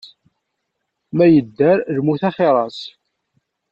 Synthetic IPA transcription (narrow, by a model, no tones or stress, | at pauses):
mæjəd̪ːæɾðmuθæχeɾˤɑs